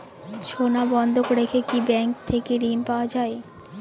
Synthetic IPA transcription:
ʃʰonabɔnd̪ʱokoɾekʰekibɛŋkt̪ʰekeɾimpaoad͡ʑae

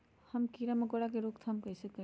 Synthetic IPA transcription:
həmkiɾaməɡoɽakeɾokt̪ʰamkəjsəkə

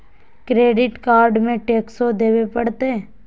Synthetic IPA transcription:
kɾeːɖɪʈkaːɾɖmẽʈeːksod̪eːwepɐɽt̪e

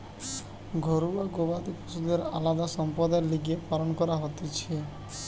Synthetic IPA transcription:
ɡʱɔɾuaɡobat̪ipusud̪eɾalad̪aʃɔmpɔd̪eɾliɡepalonkɔɾaɦot̪et͡ʃʰe

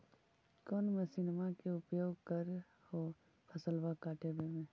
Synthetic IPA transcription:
kɔːnmesɪnmakeʊpjoːɡkəɾ | ho | pʰəsəlʋakaːʈebemẽ

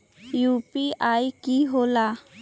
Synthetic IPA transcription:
jupiajkiɦola

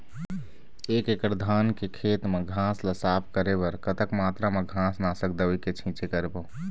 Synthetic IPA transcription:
ekekəɾd̪ʱankekʰet̪meɡʱãsləsapʰkəɾebəɾkət̪əkmat̪ɾamẽɡʱãsnasək̚d̪əiket͡ʃʰĩt͡ʃekəɾebə

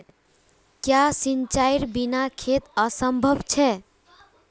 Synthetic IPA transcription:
kjasint͡ʃajɾbinakʰet̪əsəmbʱəbt͡ʃʰɛ

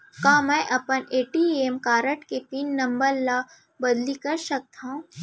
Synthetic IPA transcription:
kãːmɛ̃ʔɐpəneːʈiemkaːɾəʈkep̪iːnːɐmbəɾla | bɐd̪likɐɾʃɐk̚t̪ʰaũ

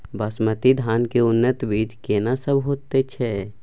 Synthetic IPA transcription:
bəsmət̪id̪ʱaːnkeʊnːət̪biːt͡ʃkeːnasəbʱɦoːt̪et͡ʃʰɛ

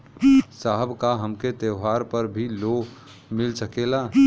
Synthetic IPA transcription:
saɦəbʱkaɦəmket̪eɦaːɾpəɾbʱilo | mɪlsəkela

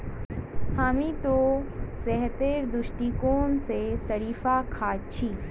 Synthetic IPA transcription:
haːmit̪osɛɦt̪eːɾd̪ʊʃʈikoːnsesɐɾiːfakʰaːt͡ʃʰiː

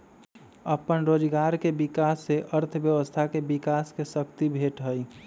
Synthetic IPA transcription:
əpənɾod͡ʒɡaɾkebikasːeʔəɾt̪ʰbjəʋəst̪ʰakebikaskesəkt̪ibʱeʈɦəj

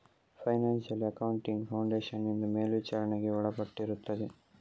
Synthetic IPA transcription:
pʰɐjnaːnʃɐliɐkɐwuɳʈiŋɡpʰɐwɳɖeːʃɐnːind̪umeːlʋit͡ʃaːɾɐneɡe̞ɔɭɐpɐʈːiɾut̪ːɐd̪e

